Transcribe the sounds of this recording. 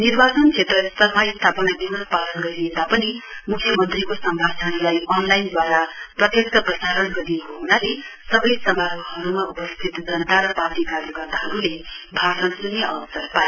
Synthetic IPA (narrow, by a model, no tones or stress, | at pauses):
nirbat͡sʌnt͡sʰet̪rʌst̪ʌrmaist̪ʰapʌnaɡinʌspalʌnɡʌɾied̪apʌni | mukʰjʌmʌnt̪rikosʌmbʱat͡sʰanlajʌnlajnd̪waɾaprʌt̪jʌksʌprʌsaɾʌnɡʌɾijekoɦunalesʌbʌjsʌmbʱaɾɦʌɾumaupʌst̪ʰit̪d͡zʌnʌt̪aɾʌpaʈ̪ibaɾiɡʌrt̪aɦʌɾulebʱasʌnsuneʌ̰bʌsʌrpae